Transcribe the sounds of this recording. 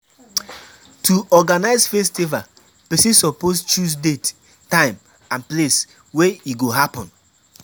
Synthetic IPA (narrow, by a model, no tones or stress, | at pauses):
tʰuɔɡanaɪzfestiva | pɛsĩnsɔpost͡ʃusdetː | ãɪ̃m | ãnples | weiɡoɦapɔ̃n